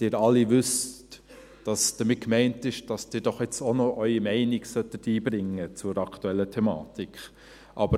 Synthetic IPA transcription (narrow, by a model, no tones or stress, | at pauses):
d̥ɪːɾɑlːiʋʏst | d̥ɑsd̥əmɪt̚kmɛɪntɪʃd̥ɑsd̥ɪːɾd̥ɔχɛt͡sonɔʔœʏimɛɪnɪɡsœtːətiːbɾɪŋːət͡sʊɾɑktuɛlːətʰɛmɑ̰ːtikχ | ʔɑb̥ə